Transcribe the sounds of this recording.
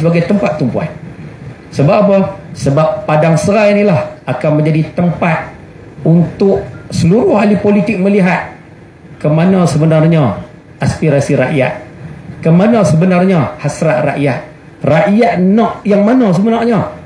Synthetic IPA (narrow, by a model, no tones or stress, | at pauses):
səbaɡajt̪əmpat̪ːumpua̰n | səbabɔsəbapːadaŋsəɾainilahakamə̃ɲd͡ʒadit̪əmpat̪̚ | unt̪ʊʔsəluɾʊhɦalipolit̪ɪk̚məliɦat̪̚ | kəmanɔsəbənarɲa | aspiɾasiɾa̰ʔja̰ʔ̪̚kəmanɔsəbənarɲɔhasɾaʔ̪ra̰ʔjaʔ | raʔjaʔnɔʔjaŋmanɔs̬əbənɔʔɲɔ